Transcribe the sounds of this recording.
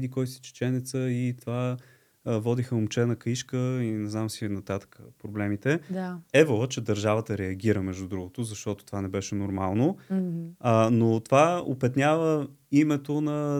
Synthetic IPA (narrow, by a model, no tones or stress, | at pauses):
d̪ikɔjsi̥t͡ʃɛ̥t͡ʃɛnɛt̪səit̪ova | vɔd̪ixəomt͡ʃɛnɐkiʃkəinɛznamsinɐt̪at̪ə̥kəpɾoblɛmit̪ɛd̪aɛvoət͡ʃɛd̪ɐɾʒavət̪əɾɛɐɡʲiɾəmɛʒd̪ud̪ɾuɡʊt̪ʊzɐʃt̪ɔt̪o̥t̪ovanɛbɛʃɛnoɾmalˠno | not̪ovao̰pɛt̪nʲjavə | imɛt̪onɐ